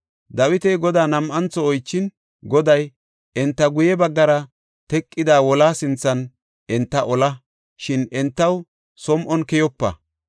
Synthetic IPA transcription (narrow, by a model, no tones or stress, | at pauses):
d̪ɐwɪt̪ɛjɡɔd̪aːnɐmʔɐnt͡sːɔɔjt͡ʃːɪn | ɡɔd̪ɐj | ɛnt̪ːɐɡʊjɛbɐɡːɐɾɐ | t̪ɛkʼːɪd̪aːwɔlaːsɪnt͡sːɐn | ʔɛnt̪ːɐʔɔlɐ | ʃɪnɛnt̪ːɐw | sɔmʔɔnkɛjɔpːɐ̰